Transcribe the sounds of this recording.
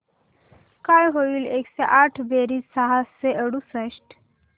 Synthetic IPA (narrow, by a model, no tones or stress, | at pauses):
kajɦoʋiːlekseʔaʈʰbeɾisaɦaseəɽusəɕʈ